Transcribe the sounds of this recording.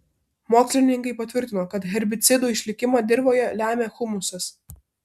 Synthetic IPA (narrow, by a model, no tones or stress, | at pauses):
moːksʲlʲɪnʲɪŋkɐɪpɐt̪ʲʋʲɪɾʲt̪ʲɪnoːkɐt̪ɣʲɛɾʲbʲɪt̪sʲɪd̪uːɪʃʲlʲɪkʲɪmɑːd̪ʲɪɾboːjɛlʲæːmʲeːxʊmʊsɐs